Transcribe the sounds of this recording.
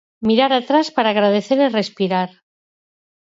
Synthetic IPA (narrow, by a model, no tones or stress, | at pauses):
miɾaɾat̪ɾaspaɾaːɣɾað̞e̞θe̞ɾire̞spiɾaɾ